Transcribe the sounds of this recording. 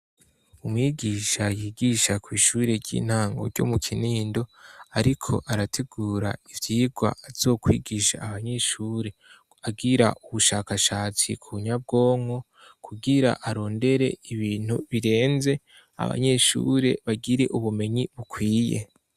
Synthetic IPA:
umŋiːɡiʃajiːɡiʃakwiːʃuːɾe̞ɾɟḭːn̥haːŋɡo̞̰ɾɟo̞̰mukʰiniːndo̞aɾikʰo̞̰ʔaɾatʰeɡuːɾa̰ivjiːɡwa̰ːz̥o̞ːkwiːɡiʃa̰ːβaɲe̞ʃuːɾe̞ | aɡiɾa̰ʔuβuʃaːkaʃaːt͡sḭkʰuβuɲab̚ɡo̞ːŋho̞ | kʰuɡiɾa̰ʔaɾo̞ːnde̞ɾe̞̰iβiːn̥huβiɾe̞ːnze̞ | a̰βa̰ɲe̞ʃṵɾe̞̰βaɡiɾe̞ʔuβume̞ɲiβukwiːje̞̰

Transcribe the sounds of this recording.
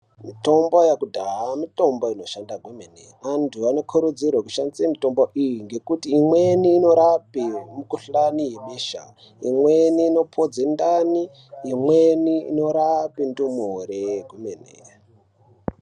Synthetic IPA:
mito̞mbojakudʱaɦamito̞mboino̞ʃandaɡʱumenḛ | antʰuano̞kʰuɾud͡zirwakuʃandi̥semito̞mboʔijiŋɡe̞kutiːmweniːno̞ɾapimukuɬanijeɓeʃa̰ | imweniːno̞pʰod͡zendaniː | mweniḭno̞ɾapindumoreɡʱumenḛ

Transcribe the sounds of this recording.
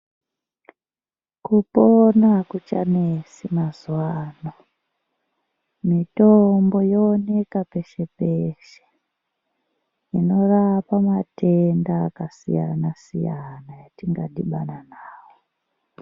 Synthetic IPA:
kuponakut͡ʃa̰nesimazwaːno | mitombo̞joːne̞kape̞ʃe̞peʃe̥ | ino̞rapamatendaːkasḭja̰nasijanajatiŋɡa̰ɗiɓananaːwo

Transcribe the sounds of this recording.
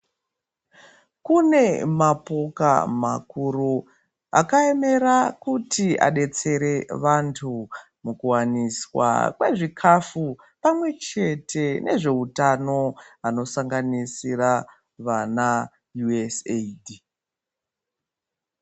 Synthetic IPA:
kune̞mapoka̰makuɾu | a̰kae̞me̞ɾakutia̰ɗe̞t͡se̞ɾe̞ʋantʰu | mukuwaniswa̰kwe̞ʐikʰafu | pamwe̞t͡ʃe̞tʰe̞ne̞ʐe̞utano̞ano̞saŋɡanisira | ʋana | juesedi

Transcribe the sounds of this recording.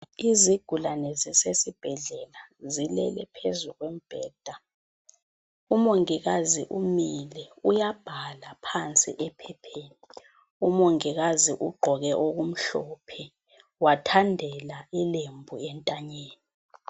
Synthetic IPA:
iziɡ̥ʱulanɛzisesib̥ʱɛɮɛlazilɛ̰lɛpʰezuɣwem̩b̥ʱɛːd̥ʱa | umoŋiɣ̬azḭʔumilɛujab̥ʱalapʰant͡sʼḭʔɛpʰɛpʰeːni | umoŋiɣaziʔuɡ͡ǃʱɔɣɛʔoɣum̩ɬɔːpʰɛ | watʰandʱɛlailembʱuɛntʼaɲeːni

